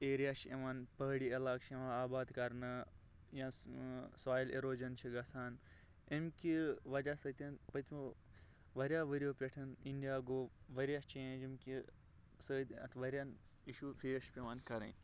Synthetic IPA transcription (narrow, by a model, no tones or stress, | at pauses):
eːɾijaːʃḛʋaːnpɐɦɽiɐlaːkt͡ʃʰeʋãaːbaːd̪kɐɾnɨ | jãːsaːjlḛɾoːd͡ʒɐnt͡ʃʰiɡɐsʰaːn | emkiʋɐd͡ʒasəːt̪ʲepət̪ʰmu | ʋɐɾʲjaːʋəɾijoːpʲeʈʰɐninɖijaːɡoːʋɐɾjaːt͡ʃẽːd͡ʒimki | səːt̪ɐ̰t̪ʰʋɐɾʲjan | iʃufiːʃpʲeʋaːnkɐɾḛ̃